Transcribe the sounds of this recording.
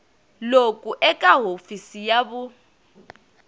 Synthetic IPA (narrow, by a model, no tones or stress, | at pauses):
lokʼuʔɛkʼaɦofisijaβu